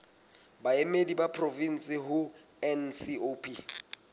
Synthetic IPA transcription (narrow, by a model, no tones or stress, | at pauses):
baemedibapʰrovin̩sɪɦʊ | ɛnsiopʰʼi